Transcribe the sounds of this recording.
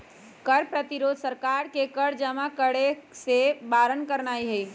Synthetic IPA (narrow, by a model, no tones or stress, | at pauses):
kəɾpɾət̪iɾoːd̪ʱsəɾkaɾkekəɾd͡ʒəmakəɽesebaɾənkəɾnaːiɦəi